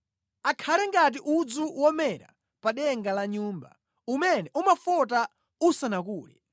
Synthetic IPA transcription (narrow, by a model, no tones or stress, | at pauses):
akʰalɛŋɡat̬iʔud͡zuwɔmɛɾa̰ | paɗɛŋɡalaɲuːmba̰ | umɛnɛʔumafɔta | usanakuːlɛ̰